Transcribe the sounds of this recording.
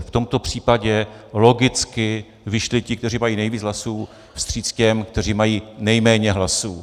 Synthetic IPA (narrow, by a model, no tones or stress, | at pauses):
ft̪o̞mt̪o̞pr̝̥iːpaɟɛlo̞ɡɪt͡skɪ | vɪʃlɪcɪkt̪ɛriːmajiːnɛjviːd͡zɦlasuː | fst̪r̝̥iːt͡scɛmk̚t̪ɛr̝iːmajiːnɛjmɛːɲɛɦlasuː